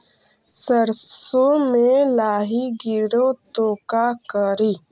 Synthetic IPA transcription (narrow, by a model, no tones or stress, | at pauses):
səɾssomẽlaːɦiɡɪɾot̪oːkakəɾiː